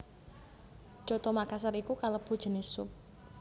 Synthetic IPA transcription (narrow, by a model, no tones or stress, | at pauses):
d͡ʒ̥ɔ̤t̪ɔmakas̬əɾikukaləb̥ṳd̥ʒ̥ə̤nɪsːʊp̚